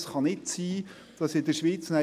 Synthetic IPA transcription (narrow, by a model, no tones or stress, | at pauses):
sχɑnɪtsiː | d̥ɑsɪd̪əɾʃʋiːt͡sna